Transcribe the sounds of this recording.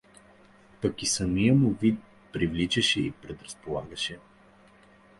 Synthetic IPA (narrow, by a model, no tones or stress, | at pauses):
pəkisəmijəmuvit̪̚ | pɾivlit͡ʃɛʃɛḭpɾɛd̪ɾɐspolˠa̰ɡəʃɛ